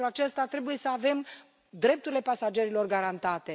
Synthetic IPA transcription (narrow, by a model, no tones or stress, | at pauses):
ɾuat͡ʃe̞st̪at̪ɾe̞buje̞səave̞m | d̪ɾe̞p̚t̪uɾile̞pasad͡ʒe̞ɾilo̞rɡaɾant̪at̪e̞